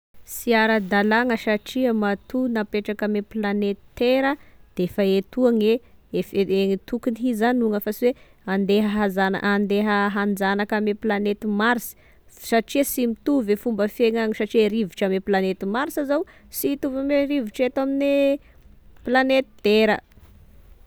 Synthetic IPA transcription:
siaɾəd̪alaŋəʃaʈ͡ʂiəmat̪unapeʈ͡ʂakameplanet̪i̥t̪eɾəd̪̥eefaet̪uaŋeefeŋit̪ukiniɦizaniuŋafasiwe | and̪eɦəɦazan̰and̪eɦəɦand͡zanakameplanet̪imaɾisi̥ | saʈ͡ʂiəsimit̪uvefumbəfeŋaŋisaʈ͡ʂieɾiviʈ͡ʂameplanet̪imaɾisazaw | sit̪uvameɾiviʈ͡ʂet̪amine | planet̪id̪̥eɾə

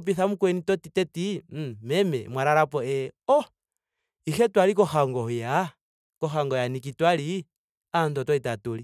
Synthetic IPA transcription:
p̬iθamukwɛnitɔtitɛtimɛmɛ̰mwaɾaɾapɔɛɔ | ixɛtwalikɔxaŋɡɔja | kɔxaŋɡɔjanik̬itwali | antɔtɔitatuli

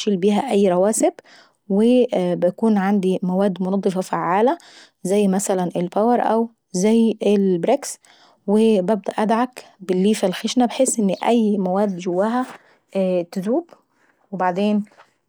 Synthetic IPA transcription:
ʃiːlbiːɦæʔæjːɾˤɑwæːsɪb | webɪjkuːnʕand̪imæwæːd̪ːmonɑd̪ˤːefɑfaʕːaːlæ | zæjːmæsælænʔelpæwɑɾˤʔæ̰w | zæjːelbɾeks | webæb̚d̪æʔæd̪ʕak | bɪlːiːfælxeʃnæbeħesːʔɪnːʔæjːmæwæːd̪d͡ʒowːæɦæ | t̪ɪzuːb | webaʕd̪eːn

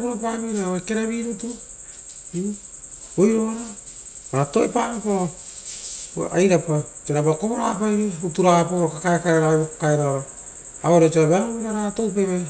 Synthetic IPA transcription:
buɾopamiɾaekeɾaβiɾutu | i | ojɾoɾa | maɾatoepamapo | ajɾapa | t͡ʃeɾabakoβoɾapajɾeutuɾapaɾokakaekaɾeɾaβekokaeɾaoɾa | aoɾet͡ʃeɾaβaɾoβiɾaɾatowp̬eβe

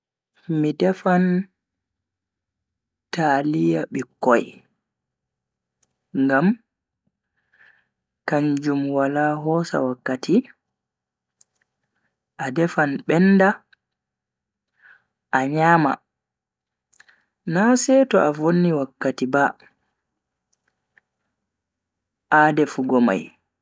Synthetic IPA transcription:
midɛfan | talijaɓikːɔj | ŋɡam | kaɲd͡ʒumwalaɦɔːsa̰wakːatʰi | ʔadɛfanɓɛnda | ʔaɲaːma̰ | nasɛtɔʔavonːiwakːatiba | ʔaːdɛfuɡɔma̰j

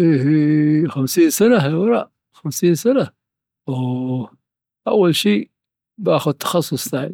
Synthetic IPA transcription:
ifixamsiːnsanaɦɪlwɑɾˤɑ̰ːʔ | xamsiːnsana | w | ʔa̰wːalʃiː | bʔaːxʊd̪̚t̪ʰːɑ̥xɑsˤːʊsˤθaːni

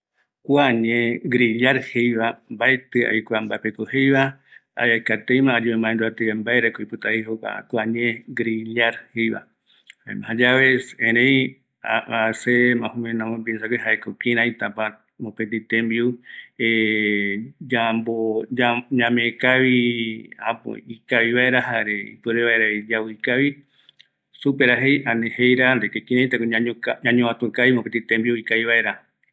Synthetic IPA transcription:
kʷaɲẽɡɾiʎaɾhejβambaet̪ɨa̰jkʷambaepekohejβa | a̰jajkat̪ejmãːd͡ʒuβemãẽnd̪uat̪eembaeɾekoipɨt̪ahihoka̰kʷaɲẽɡɾiʎaɾhejβa̰ | haḛmãhad͡ʒaβesẽɾẽj | aasemãhũmẽnãmõmbisakeɦaekokĩɾ̃ãjt̪apa | mõpẽt̪̬ĩt̪ẽmbiue | amboaɲãmẽkaʋiapo̰ikaʋiβaʔeɾahaɾeḭpɨɾeβaeɾaid͡ʒawɨikaβi | supeɾaɦejanẽhejɾand̪ekekĩɾ̃ãjt̪akoɲaokaɲãɲõat̪ũkaimõpet̪it̪embiuikaβiβaʔe̞ɾa

